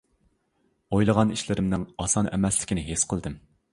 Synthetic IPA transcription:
ojlˠəʁɑniʃlɪɾɪmnɪŋɑsɑnɛ̰mɛslɪ̥kʲinɪɦesqʰəlˠd̪ɨm

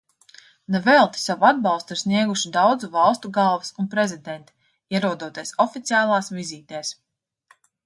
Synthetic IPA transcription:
nevɛlˠt̪i̥savuad̪̚bɑlˠst̪uiɾsniɛɡuʃid̪awd̪zuvɑlˠst̪uɡalˠvisunpɾɛzid̪ɛnt̪i̥ | iɛɾuɔd̪uɔt̪iɛsɔfit̪sʲiaːlˠɑːsviziːt̪ɛːs

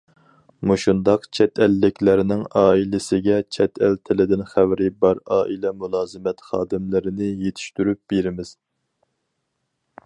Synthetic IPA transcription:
muʃund̪ɑqt͡ʃʰɛt̪ʰɛlːɪkʲlæɾɪnɪŋɑːilɪsɪɡʲɛt͡ʃʰɛt̪ʰælt̪ʰɪlɪd̪ɪnχæwɾɪbɑɾɑːʔilɛmulˠɑːzɨmɛt̪χɑːd̪ɨmlɪɾɪnɪjet̪ʰi̥ʃt̪yɾyp̚beɾɪmɪz̥

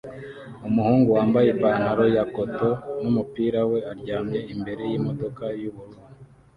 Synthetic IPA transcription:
umuhuːŋɡuwaːmbajebaːnhaɾo̞jakoto̞numupiːɾawe̞aɾɟaːmjeimbe̞ɾe̞jimo̞do̞kajuβuɾuːnuu

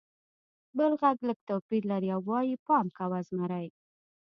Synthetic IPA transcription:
bəlɣaɡləɡ̚t̪opiɾlaɾiawːɑjipɑmkawazmaɾaj

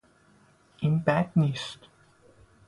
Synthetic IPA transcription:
ɪ̃nbædnist

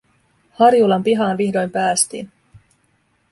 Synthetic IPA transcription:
hɑrjulɑmpiɦɑːnʋihdo̞jmpæːst̪ḭːn

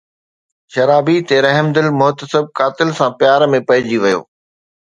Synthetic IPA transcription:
ʃɐɾaːbit̪eɾɐɦɪmd̪ɪlmʊɦt̪əsɪb̚kaːt̪ɪlsãpjaːɾmẽpɐɪd͡ʑiʋɐjo̰ː

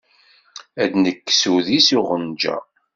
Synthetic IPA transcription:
æd̪nəkːsuðisiʁənd͡ʒæ̰

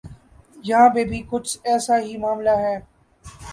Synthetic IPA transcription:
jɐɦãːbẽːbʱikʊt͡ʃɛːsaɦimaːmlaɦɛː

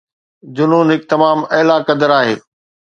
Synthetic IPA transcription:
d͡ʑʊnuːnɦɪk̚t̪ɐmaːmɐːlakɐd̪əɾaːɦeː

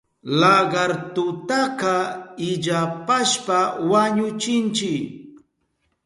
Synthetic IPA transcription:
laɢɑɾt̪ʊt̪aqɑɪʎapaʃpawaɲʊt͡ʃɪnt͡ʃɪk

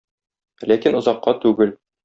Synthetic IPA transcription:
lækinŏzɑqːɑt̪ʉɡɘl

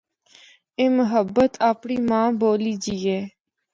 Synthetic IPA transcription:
eːməɦəbːət̪ʰaːpɳiːmãːboːliːd͡ʒiːeː

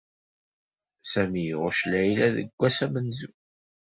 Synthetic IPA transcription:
sæmijʁʊʃlæjlæðə̰ɡʷːæsæmənzu

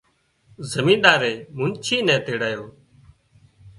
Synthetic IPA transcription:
zəmĩːɗ̪aːɾeːmʊnt͡ʃʰiːnɛ̃ːt̪eːɽaːjoː

